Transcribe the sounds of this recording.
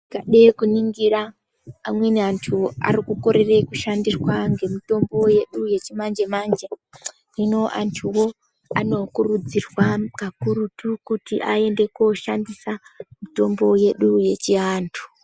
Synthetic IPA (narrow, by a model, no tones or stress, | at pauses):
ikaɗekuniŋɡiɾaː | mwe̞niantʰua̰rikuko̞ɾe̞re̞kuʃandirwaŋɡe̞mito̞mbo̞je̞ɗuje̞t͡ʃimand͡ʒemand͡ʒe | rino̞ʔantʰuwo̞ | ano̞kurud͡zirwakakuɾutukutiʔae̞nde̞koʃandisamito̞mbo̞je̞ɗuje̞t͡ʃiaːntʰu̥